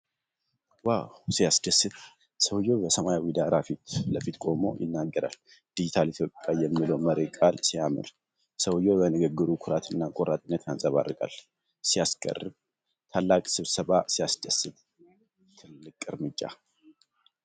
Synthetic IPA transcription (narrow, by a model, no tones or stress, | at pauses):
wawsijasd̪əsːɨt̪ | səwjo̞bəsəmajawid̪aɾafit̪ləfit̪kʼo̞mo̞̰jɪ̰nːaɡːəɾa̰l | d̪̥ɨd͡ʒɪt̪ʰalit̪jo̞pʼːjajɛmːiləwməɾekʼalsijamɨ̰ɾ | səwjobənɨɡəɡːɨɾukʰʊɾat̪ʰɨnːakʼoɾat̪ʼɨnːət̪ʰansʼəβa̰rɨkʼa̰l | sijaskʼə̰rːɨβ | t̪ʰalːakʼsɨβsəβasijasd̪əsːɨβ | t̪ʰɨlːɨkʼɨɾmɨd͡ʒːa̰